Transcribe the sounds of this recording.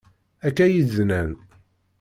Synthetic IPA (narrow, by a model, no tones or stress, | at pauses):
ækːæjiznæn